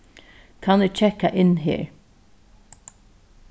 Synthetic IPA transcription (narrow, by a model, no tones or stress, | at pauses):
kʰanɪɡ̚t͡ʃʰɛkːaʔɪnɦḛːɹ